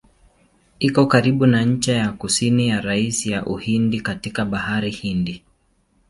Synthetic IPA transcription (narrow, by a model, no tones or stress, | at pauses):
ikɔkaɾiɓunaɲ̩t͡ʃɛjakusinijaɾaisijaʔuhindikatikaɓahaɾihindi